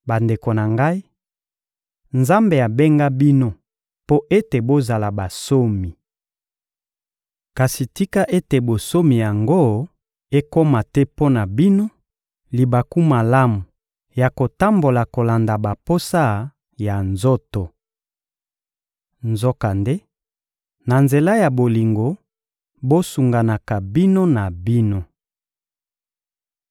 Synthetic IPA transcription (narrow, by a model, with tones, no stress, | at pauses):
ba˨nde˨ko˨na˨ŋɡa˦i˦ | nza˦mbe˨a˨be˦ŋɡa˦bi˦no˦ | po˦ʔe˦te˨bo˦za˨la˨ba˨so˦mi˨ | ka˨si˨ti˦ka˦ʔe˦te˨bo˨so˦mi˨ja˨ŋɡo˦ | e˦ko˦ma˨tɛ˦po˦na˨bi˦no˦ | li˨ba˨ku˦ma˨la˦mu˨ | ja˨ko˨ta˦mbo˨la˨ko˨la˨nda˨ba˨po˦sa˦ | ja˨nzo˦to˨ | nzo˦ka˨nde˦ | na˨nze˨la˦ja˨bo˨li˨ŋɡo˨ | bo˦su˨ŋɡa˨na˨ka˨bi˦no˦na˨bi˦no˦